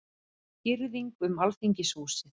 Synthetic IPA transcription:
cɪɾðiŋkʏmalθiɲcɪsvuːsɪθ

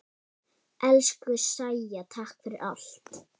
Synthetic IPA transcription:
ʔɛlskʏsajjat̪ʰahkfɪɾɪ̰ɾʔa̰l̥t̪

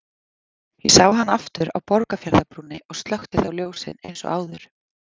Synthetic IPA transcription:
jɛsaːwɦanːaft̪ʏɾa̰wpɔɾkafjaɾðapɾuːnːɪʔɔɣst̪lœxt̪ɪθawljoːwsɪ̰nḛjnsɔ̰ʔaːwðʏɾ̥

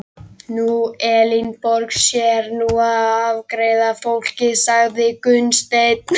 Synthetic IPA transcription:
nuɛːlinpɔɾksjɛɾnuaðavkɾejðafowl̥cɪsaɣðɪkʏnst̪ejt̪̚

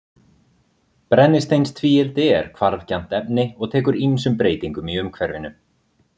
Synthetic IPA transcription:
pɾɛnːɪst̪ejnst̪ʰviːɛlt̪ɪɛɾ̥kʰvaɾvcan̥t̪ɛpnɪɔɣt̪ʰɛːkʏɾinsʏmpɾeːjt̪iŋkʏmiʏmkʰvɛɾvɪnʏ

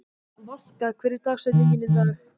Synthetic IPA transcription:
val̥kakʰvɛːɾɪɾ̥t̪ʰaːksɛjt̪niɲcɪnɪθa

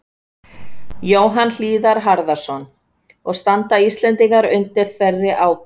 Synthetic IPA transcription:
joːwɦanl̥iːðaɾɦaɾðasɔn | ɔɣst̪ant̪aist̪lɛnt̪iŋkaɾʏnt̪ɪɾ̥fɛrːɪʔaːw

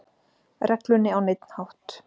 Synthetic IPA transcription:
rɛklʏnːɪawnɪjt̪n̥hawht̪

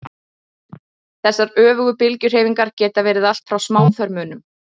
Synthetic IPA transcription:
θɛsːaɾœːvʏɣʏpɪlcʏr̥eːjviŋkaɾ̥cɛːt̪avɛːɾɪðal̥t̪fɾawsmaːwθœɾmʏːnʏm

